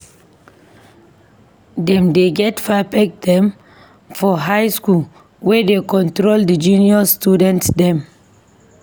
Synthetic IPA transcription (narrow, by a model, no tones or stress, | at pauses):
dɛ̃mdeɡɛtfapɛk̚dɛ̃m | fɔɦaɪskul | wɛdekɔ̃ntɾoldid͡ʒũniɔstudɛ̃ntsdɛ̃m